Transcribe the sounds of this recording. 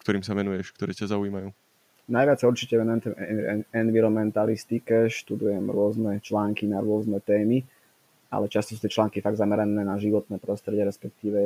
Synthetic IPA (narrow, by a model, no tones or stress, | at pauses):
kt̪ɔɾiːmsaʋɛnujɛʃkt̪ɔɾɛːcazauiːmajuː | najʋɪat͡ssauɾt͡ʃicɛɛnɛt̪ɛɛnʋiɾɔmɛnt̪alist̪ikɛʃt̪ud̪ujɛmɾʊɔznɛt͡ʃlaːŋkinaɾʊɔznɛt̪ɛːmi | a̰lɛt͡ʃast̪ɔs̬uːt̪ɛt͡ʃlaːŋkifaɡd̪zamɛɾɛnɛːnaʒiʋɔt̪nɛːpɾɔst̪ɾɛɟɛɾɛspɛk̚t̪iːʋɛ